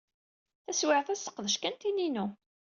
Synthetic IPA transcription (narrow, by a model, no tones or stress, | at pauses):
θæswɪʕθæsə̥qːðəʃkænt̪ininu